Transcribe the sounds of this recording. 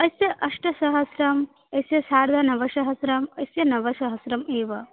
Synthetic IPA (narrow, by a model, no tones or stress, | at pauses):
ɐsjɐʔɐʂʈɐsɐɦɐsɾɐm | ɐsjɐsaːɽd̪ɐnɐʋɐʃɐɦɐsɾɐmɐsjɐnɐʋɐʃɐɦɐsɾɐmeːʋɐ